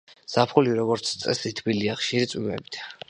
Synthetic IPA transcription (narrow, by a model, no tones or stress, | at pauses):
sapʰχuliɾɔɡɔɾt̪sʰt̪sʼɛ̰sit̪ʰbiliaχʃiɾit̪sʼwimɛ̰bit̪ʰ